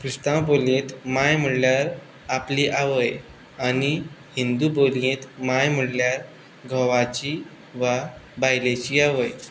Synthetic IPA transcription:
kɾist̪ãboljet̪majm̤əɽljaɾ | apliːʔaʋəj | anihind̪uboljẽt̪majm̤əɽljaɾ | ɡʱəʋat͡ɕiː | ʋabajlet͡ɕiːaʋəj

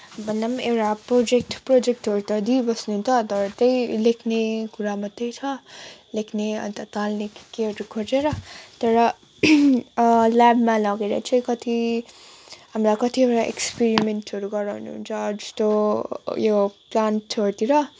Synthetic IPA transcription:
bʱʌnːamewɾaprod͡zek̚ʈprod͡zek̚ʈɦʌɾut̪ʌd̪ibʌsnuɦunt͡sʰʌt̪ʌɾʌt̪ʌjlekʰnekuɾamʌt̪ːejt͡sʰʌlekʰneʌ̰nt̪ʌt̪alnekeʌʈukʰot͡seɾʌt̪ʌɾʌ | labmalʌɡeɾʌ̰t͡sʰʌjkʌt̪i | ɦamlakʌt̪ieɾaʔḛkspeɾimenʈɦʌɾuɡʌɾawnuɦṵnt͡sʰʌd͡zʌst̪ojoplantʰʌt̪iɾʌ

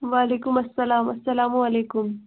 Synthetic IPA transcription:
ʋaːleːkʊmɐsːɐlaːmɐsːɐlaːmuɐleːkʊm

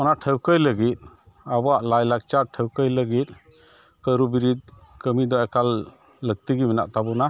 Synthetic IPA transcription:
mɔnatʰəwkʰəjləɡit̪̚ | abɔaʔlajlak̚t͡ʃatʰəwkəjləɡit̪̚ | kəjɾubiɾit̪̚kəmidɔɛkʰalː | ək̚t̪iɡimina̰ʔtabɔna

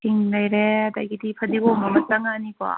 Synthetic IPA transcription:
iŋlajɾead̪a̰jɡid̪ipʰɐd̪ibomamɐtaŋaniba̰

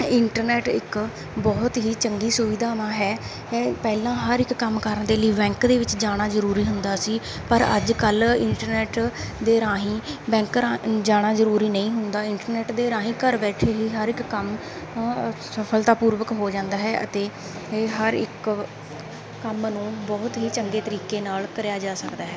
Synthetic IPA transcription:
ɪɳʈəɾnɛːʈɪ̰k | bɔːt̪ɦiːt͡ʃəŋɡiːsʊʋɪd̪ʱaːʋãːɦɛː | pɛːlãːɦəɾɪkːəmkəɾəɳd̪eːləiːbɛ̃ːŋkd̪eːʋɪt͡ʃd͡ʒaːɽ̃aːzəɾuːɾiːɦʊnd̪aːsiː | pəɾə̰d͡ʒkəlɪɳʈəɾnɛːʈd̪eːɾaːɦĩːbɛ̃ːŋkɾad͡ʒaːɽ̃aːzəɾuːɾiːnəĩːɦʊnd̪aːɪɳʈəɾnɛːʈd̪eːɾãːɦĩːkəɾbɛːʈʰeːɦiːɦəɾɪkːəm | səpʰəlt̪aːpuːɾʋəkɦoːd͡ʒãːnd̪aːɦɛːʔə̰t̪eː | ɦəɾɪ̰k | əmnũːbɔːt̪ɦiːt͡ʃəŋɡeːt̪əɾiːkeːnaːlkəɾjaːd͡ʒaːsəkd̪aːɦɛː

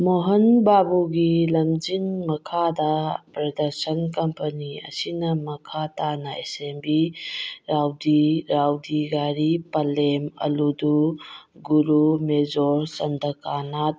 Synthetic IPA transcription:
moɦɐnbabuɡilɐmd͡ʒinmɐkʰadɐpɾɐdɐɾsənkɐmpɐniɐ̰sinɐmɐkʰatanɐʔḛsembiɾawdiɾawdiɡaɾipɐlemɐ̰luduɡuɾumezɔɾsɐndɐkanat̚

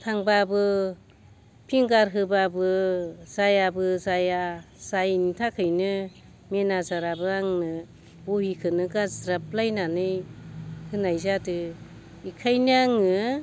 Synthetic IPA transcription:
tʰaŋbabɯ | pʰiŋɡaɾɦɯbabɯzajabɯzaja | z̥ajnitʰakʰɯjnɯ | menazaɾabɯaŋnɯ | buhikʰɯnɯɡazɾap̚lajnanɯj | hɯnajzadɯ | ikʰajnɯaŋɯ

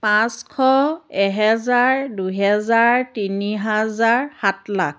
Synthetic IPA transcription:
pãskʰɔɛɦɛzaɹduɦɛzaɹtiniɦazaɹhatlak̚ʰ

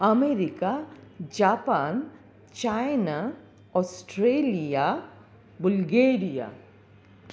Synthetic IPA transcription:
ɐmeːɾikad͡ʒaːpaːn | t͡ʃajna | ɔːsʈɾeːlija | bʊlɡeːɾija̰

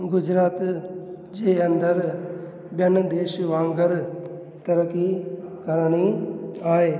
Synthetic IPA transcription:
ɡʊd͡ʒɾaːt̪ | d͡ʒeːɐ̃nd̪əɾ | bjənd̪eːʃʋãːŋɡəɾ | t̪ɐɾəkikɐɾɽ̃iaːɦeː

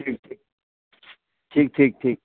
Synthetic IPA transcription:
ʈʰiːk̚ʈʰiːk̚ | ʈʰiːk̚ʈʰiːk̚ʈʰiːk̚

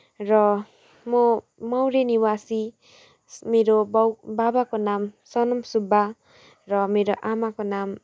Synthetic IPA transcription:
ɾɔ | mɔ | mawɾeniwasi | meɾobbabakonamsɔnɔmsuba | ɾɔmeɾoʔamakonam

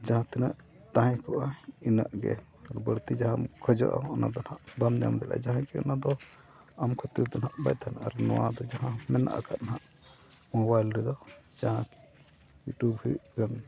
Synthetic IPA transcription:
d͡ʒaɦãt̪ɛnaʔ | t̪ãɦɛ̃kɔʔaina̰ʔɡɛ̰ | ɾbəɽt̪id͡ʒaɦamkʰɔd͡ʒɔ̰ʔa̰ɔna̰d̪ɔnaʔband͡ʒamd̪ɛlʔa̰d͡ʒaɦãkiɔ̰nad̪ɔ | amkʰɔt̪id̪ɔnaʔbajt̪ʰanaɾnɔwad̪ɔd͡ʒaɦãmɛna̰ʔa̰kʰaʔ̪naɦaʔ | mɔbajlɾɛd̪ɔd͡ʒaɦãki̥ | juʈubhiɡan

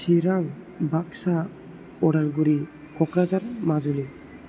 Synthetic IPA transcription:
siɾaŋ | bak̚sa | ɔɾalɡuɾi | kʰɔkɾazaɾmazuli

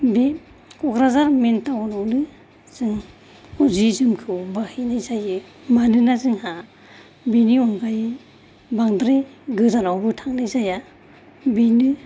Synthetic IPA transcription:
be | kɔkɾazaɾmentanɔwnɯ | z̥ɯŋ | uzizɯmkʰɯwbahinajzajɯ | manɯnazɯŋha | biniɔnɡaj | baŋdɾeɡɯzanawbɯtʰaŋnɯjzaja | binɯ

